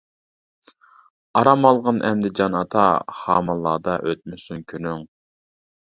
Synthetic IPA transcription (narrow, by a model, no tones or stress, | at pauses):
ɑɾɑmɑlˠʁɑnʔɛ̰md̪ɪd͡ʒɑnɑt̪ʰɑχɑːmɑlˠːɑːd̪ɑʔøt̪̚mysynkʲʰynyŋ